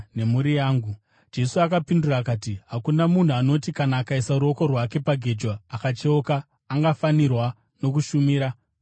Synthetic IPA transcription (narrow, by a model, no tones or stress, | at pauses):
ne̞muɾijaːŋɡu | d͡ʒe̞suakapinduraːkaːtiɦakunamun̤uano̞tikanaːkaisaɾuo̞ko̞rwake̞paɡʱe̞d͡ʒwaːkat͡ʃeokaː | ŋɡafanirwa | no̞k̬uʃumiːɾa